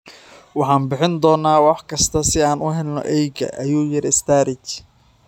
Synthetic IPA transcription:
wɑħɑːnbɪħɪnd̪ɔːnaːwɑħkʰɐst̪ʰɐsɪaːnʊɦɛlnɔ̰ʔɛjɡɐ̰ʔɐ̰juːjɪɾɪst̪ʰaːɾɪt͡ʃ

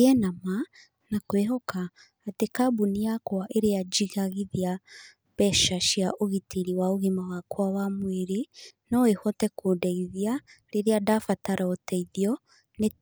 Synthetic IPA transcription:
ɛnama | nakweɦɔkaː | tekabuniakwaʔeɾead͡ʒiɣaɣiðia | b̥ɛʃaʃiaʔoɣitʰiɾiwaoɣemawakwawamweɾenɔehɔtɛkʰoːdɛiðia | ɾeɾeadafataɾɔtɛiðiɔ | ne

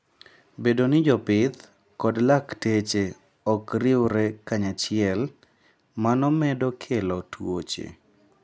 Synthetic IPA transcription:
bedonɪd͡ʒɔpɪt̪ | kɔdlaktet͡ʃe | ɔkɾɪwɾekaɲat͡ʃɪɛl | manɔmɛdɔkʰelɔtʰwot͡ʃḛ

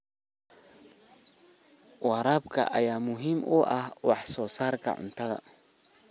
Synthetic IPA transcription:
wɑɾaːbkʰɐ̰ʔɐjaːmʊɦiːmʔʊʔɐhwɑħsɔːsaːrkʰɐ̰ʕʊ̰nt̪ʰɐðɐ̰

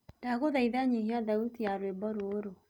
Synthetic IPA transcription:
d̥aɣoðaiðaɲiɦiadautijaɾwebɔɾoːɾo

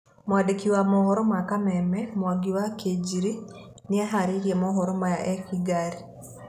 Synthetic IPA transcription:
mwadekiwamohɔɾomakamɛmɛmwaɡiwaked͡ʒiɾiniaɦaɾeɾiɛmoɦɔɾomajaʔɛkiɡaɾi

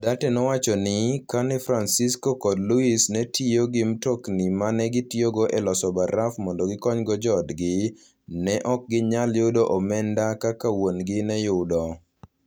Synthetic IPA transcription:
datɛnɔwat͡ʃɔnɪkanɛfɾansiskokɔdluisnɛtʰioɡɪmtoknimanɛɡɪtjoɡoʔɛlɔsɔbaɾafmɔndɔɡɪkɔɲɡɔd͡ʒɔdɡɪ | nɛʔɔk̚ɡɪɲaljʊdoʔɔmɛndakakawonɡɪnɛjʊdɔ

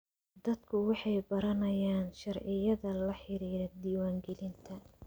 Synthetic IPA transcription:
d̪ɐd̪kʰʊwɑħɑjbɐɾɐnɐjaːnʃɑrʕɪjɐðɐlɐħɪɾiːɾɛd̪iːwaːŋɡɛlɪnt̪ʰɐ

